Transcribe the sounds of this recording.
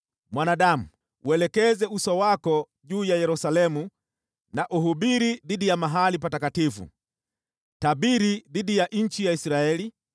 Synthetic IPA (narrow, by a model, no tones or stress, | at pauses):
mwanaɗamu | wɛlɛkɛzɛusɔwakɔ | ʄuːjajɛɾusalɛmu | naʔuɦuɓiɾiðiɗijamaɦalipatakatifṵ | taɓiɾiðiɗijaʔɲ̩t͡ʃijaisɾaɛli